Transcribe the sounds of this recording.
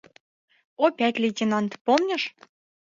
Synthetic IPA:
opʲæt̪ʲlʲetʲenɑnt̪pomnʲə̆ʃ

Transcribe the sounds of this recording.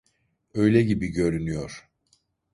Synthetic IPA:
ø̞jlʲɛɟibiɟø̞ɾynyjo̞ɾ̥

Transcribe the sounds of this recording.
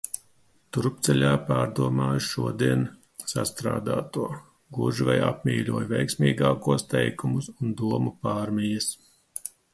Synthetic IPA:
t̪uɾpt̪sɛlʲaːpaːɾd̪uɔmaːjʃuɔd̪iɛn | sast̪ɾa̰ːd̪a̰ːt̪uɔ | ɡuʒiva̰ja̰pmʲiːlʲuɔjvʲɛjksmʲiːɡaːkuɔst̪ɛ̰jkumusund̪uɔmupaːɾmʲijɐs

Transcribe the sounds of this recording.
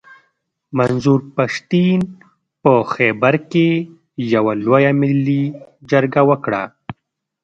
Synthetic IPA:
manzuɾpaʂt̪in | pəxɛbaɾke | jawalwojamɪlːid͡ʒaɾɡawəkɽa̰

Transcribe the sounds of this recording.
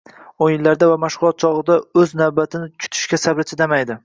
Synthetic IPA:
onjɪlːaɾd̪avamaʃʁʊlˠɒt̪̚t͡ʃʰɒʁɨd̪aɵznawbat̪ʰɪnɪt͡ʃʰʊ̥t̪ʰɪ̥ʃkʲasabɾɪt͡ʃʰɪd̪amajd̪ɪ

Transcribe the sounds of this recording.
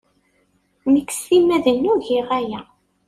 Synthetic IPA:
nəkːsimæðənːuʝɪʁæjæ

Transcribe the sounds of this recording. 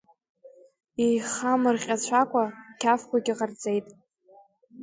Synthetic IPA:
ijχamɨrχʲʼat͡ɕʷʰakʷʼakʲʰafkʷʰaɡʲiqʼard͡zʼe̞jtʼ

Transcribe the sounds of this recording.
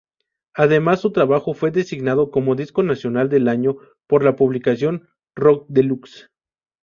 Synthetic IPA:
aðe̞masːut̪ɾaβaxo̞fwe̞ðe̞siɣnað̞o̞ko̞mo̞ðisko̞nasjo̞nald̪e̞laɲo̞ | po̞ɾlapuβlikasjo̞n | rok̚d̪e̞luks

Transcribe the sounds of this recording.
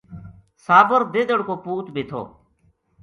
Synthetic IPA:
saːbəɾd̪eːd̪əɽkoːpuːt̪biːt̪ʰo̰ː

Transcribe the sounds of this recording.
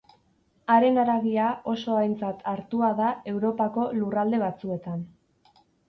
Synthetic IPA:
aɾe̞naɾaɣiao̞so̞ajnt͡sat̪ʰaɾt̪uaðae̞wɾo̞pako̞lurald̪e̞β̞at͡sue̞t̪an

